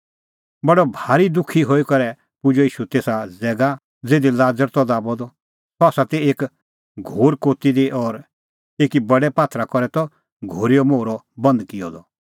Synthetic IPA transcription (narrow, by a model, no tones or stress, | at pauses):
bɐɖɔbʱaːɾid̪ʊkʰiɦoːikɐɾɛ | pʊd͡ʒɔiːʃut̪eːsad͡zɛːɡa | d͡zeːd̪ilaːd͡zəɾt̪ɔd̪aːbɔd̪ɔ | t̪ɔaːsat̪ieːk | ɡʱoːɾkoːt̪id̪iʔɔɾ | eːkibɐɽɛpaːt̪ʰɾakɔɾɛt̪ɔ | ɡʱoːɾijɔmoːɾɔ | bɐ̃nd̪kɪjɔ̰d̪ɔ